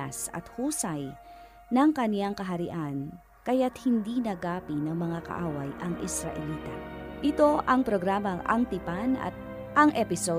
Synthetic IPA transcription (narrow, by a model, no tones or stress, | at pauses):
a̰sɐ̰t̪huːsɐj | nɐŋkɐnjaŋkɐɦɐɾɪʔan | kɐjat̪̚hɪnd̪inɐɡaːpinɐŋmɐŋakɐ̰ʔaːwɐjʔɐŋʔɪsɾɐʔɛliːt̪ɐ̰ʔɪt̪o̞ʔɐŋpɾoɡɾaːmɐŋʔɐ̰ŋt̪ɪpanɐ̰t̪̚ | ʔɐŋʔɛpɪso